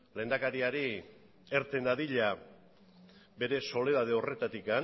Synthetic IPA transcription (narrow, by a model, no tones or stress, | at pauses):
le̞nd̪akaɾiaɾi | eɾt̪e̞nd̪aðiʎa | be̞ɾe̞so̞le̞ð̞að̞e̞o̞re̞t̪at̪ikan